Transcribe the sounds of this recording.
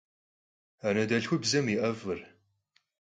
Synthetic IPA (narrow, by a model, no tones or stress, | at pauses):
anɐdɐɬxʷʊbzɐmiʔɐvɨr